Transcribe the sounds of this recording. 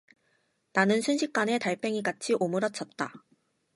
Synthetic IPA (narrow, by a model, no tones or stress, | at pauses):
nanɯnsʰunɕʰik̚k͈ane̞taɭpʰe̞ŋiɡat͡ɕʰiʔomɯɾʌt͡ɕ͈ʰʌt̚t͈a̰